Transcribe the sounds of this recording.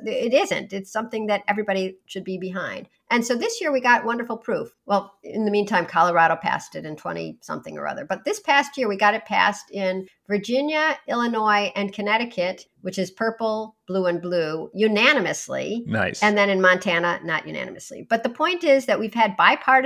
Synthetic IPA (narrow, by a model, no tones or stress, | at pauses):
ɪɾɪzɨ̰̃ntɨtsʌ̃mθɪ̃ŋðɨɾɛvɹibɑɾiʃɨd̚bibɨɦãɪ̃nd̥̚ | ʔɨ̃nsoʊðɪsjɪɹwiɡɑt̚wʌ̃ndə˞fl̩ˠpʰɹ̥ufwɛlˠɪ̰̃nðɨmĩntʰãɪ̃mkʰɑlˠə˞ɑɾoʊpʰæ̰stɨɾɨ̃ntʰw̥ɛ̰̃ɾ̃ḭsʌ̰̃mθɪ̰̃ŋə̰˞ʌ̰ðə˞b̥ʌt̪̚ðɪspʰæst̚jɪɹwiɡɑɾɨt̚pʰæ̰stɪ̃n | və˞d͡ʒɪ̃njɨɪlˠənɔɪʔɨ̃nkʰɨnɛɾɨkʰɨt̚ | wɨt͡ʃɨz̥pʰɜ˞pl̩ˠb̥luə̃nblujʉnænɨmɨslḭna̰ɪsɨ̃nðɨ̃nɨ̃nmɑ̃ntʰænənəʔjʉ̰næ̰nɨ̰mɨslḭb̥ʌt̪̚ðəpʰɔ̃ɪ̃ntɪzðɨʔ̚wiv̥ɨd̚baɪpʰɑɹɾ